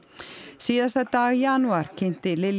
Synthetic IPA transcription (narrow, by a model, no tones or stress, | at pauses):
siːðast̪at̪aːɣjanuaɾ̥cʰejn̥t̪ɪlɪl